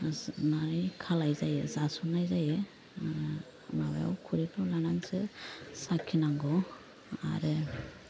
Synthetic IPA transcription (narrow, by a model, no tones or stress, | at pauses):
naɾɯjkʰalajzajezasunajzajɯ | maba̰ja̰wkʰuɾipʰɔwlanaŋsɯsakʰinaŋɡɔ | a̰ɾɯ